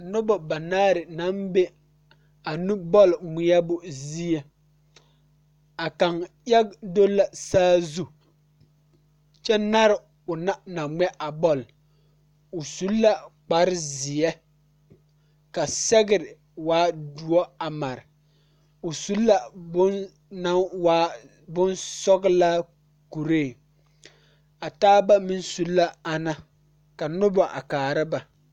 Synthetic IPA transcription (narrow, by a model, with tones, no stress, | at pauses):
nʊ˦bɔ˨ba˨naː˦ɾɪ˨na˨˦nbe˦ | a˨nu˦bɔ˦lmʊ˨ja˦bʊ˨zi˦ɛ˨ | a˨ka˨ŋ | ja˦ɡdo˦lːa˨saː˦zu˦˨ | t͡ʃɛ˦na˦ɾɪ˨ | ʊ˨na˦na˨ŋ͡mɛ˦ʔa˨bɔ˦l | ʊ˨su˦lːa˦k͡pa˨ɾɪ˦zɪ˨jɛ˦ | ka˨sɛ˦ɡɪ˨ɾɪ˨ | waː˦du˨ɔ˦a˨ma˨ɾɪ˨ | ʊ˨su˦lːa˦˨˦ | na˦wa˦ | bʊ˦nsɔ˦ɡla˦ | ku˨ɾeː˦˨ | a˨taː˦ba˦mɪ˦nsu˦lːa˦a˨na˦ | ka˨nʊ˦bɔ˨ʔa̰˨kaː˨ɾɪ˦ba˨